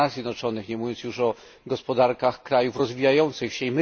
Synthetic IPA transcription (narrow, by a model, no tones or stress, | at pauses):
azʲjɛd̪nɔt͡ʂɔnɘxɲɛmuvʲjɔnsjuʂɔ | ɡɔspɔd̪aɾkaxkɾajufɾɔzvʲijajɔnt̪sɘxɕɛimɘ